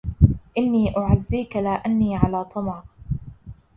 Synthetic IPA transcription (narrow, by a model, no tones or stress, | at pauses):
ʔɪnːiːʔʊʕazːiːkalaːʔanːiːʕalaːt̪ˤɑmɑɾ